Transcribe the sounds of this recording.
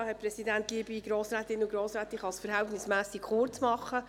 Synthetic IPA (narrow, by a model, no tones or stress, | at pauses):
hɛpɾɛsidænt̪liːbiɡɾoːsɾæːt̪ɪnːəʊɡɾoːsɾæːt̪ɪχɑsfəɾɦɛltnɪsmæːsikχʊrt͡smɑχːə